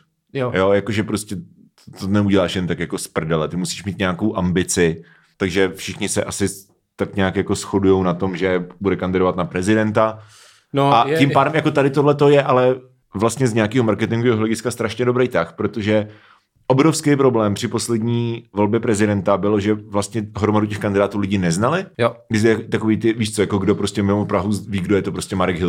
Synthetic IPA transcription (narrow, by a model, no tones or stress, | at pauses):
jo̞jako̞ʒɛpɾo̞scɛ | t̪ot̪onɛuɟɛlaːʃjɛnt̪akjako̞spr̩dɛlɛt̪ɪmusi̥ːʃmiːt̪ɲɛako̞wʔambɪt͡sɪ | t̪aɡʒɛfʃɪxɲɪsɛʔasɪ | t̪akɲaːkjako̞sxo̞dujo̞wnat̪o̞mʒɛbudɛkandɪdovat̪napɾɛzɪdɛnt̪a | nacɪmpaːdɛmjakot̪adɪt̪odlɛt̪o̞jɛʔalɛ | vlast̪ɲɛzɲɛakiːɦomaɾkɛt̪ɪŋɡoviːɦoɦlɛɟɪskast̪ɾaʃɲɛdobɾejt̪axpɾot̪oʒɛ | ʔo̞bɾofskejpɾo̞blɛːmpr̥ɪpo̞slɛdɲiːvo̞lbjɛpɾɛzɪdɛnt̪abɪloʒɛvlast̪ɲɛɦɾomaducɛxkandɪdaːt̪uːlɪɟɪnɛznalɪjɡɪzɛjt̪akoviːt̪ɪviːʃt͡sojako̞ɡdo̞pɾo̞scɛmɪmopɾaɦuviːɡdojɛt̪opɾoscɛmaɾɛɡɦɪ